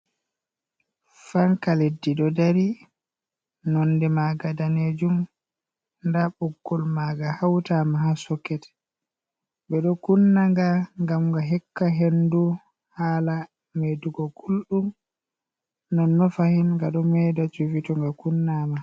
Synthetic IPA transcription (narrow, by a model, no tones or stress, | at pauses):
faŋkaledːiɗɔdaɾi | nɔndɛmaɡadaned͡ʒum | ndaɓɔɡːɔlmaɡahawtamahasɔkːɛtɛ̥ | ɓɛɗɔkunːaŋɡaŋɡamɡaɦɛkːaɦendu | haːla | meduɡɔɡulɗum | nɔnːɔfahinŋɡaɗɔmɛdat͡ʃuvitɔŋɡakunːama